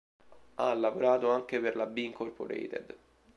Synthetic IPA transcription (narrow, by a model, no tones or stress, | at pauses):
a̰lːavoɾaːt̪oaŋk̟eperlabːiiŋkorpo̰ɾɛ̰jt̪ḛd̪